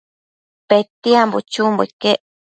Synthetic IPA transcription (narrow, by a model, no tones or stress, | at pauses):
pet̪iambot͡ʃumbo̰ikeʔ